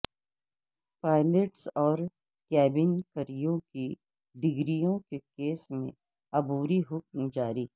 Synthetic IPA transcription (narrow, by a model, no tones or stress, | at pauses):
paːɪleʈsɔːɾ | kɛːbɪnkɐɾijõki | ɖɪɡɾijõkekeːsmḛ̃ | ɐbuːɾiɦʊk̚md͡ʒaːɾiː